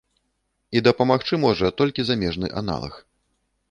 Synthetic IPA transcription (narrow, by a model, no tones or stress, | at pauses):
id̪ɐpɐmaxt͡ʂɨmɔʐɐt̪ɔlʲkʲizamʲɛʐnɨ̰ʔa̰na̰lˠɐ̰x